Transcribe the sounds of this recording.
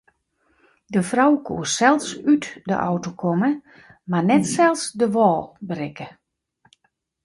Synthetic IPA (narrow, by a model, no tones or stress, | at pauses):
dəfrawkʰṵːsɛlˠfsytdə̰ʔɔ̰wtokʰɔmə | marnɛtsɛlˠsdəʋɔːlˠbərɪkə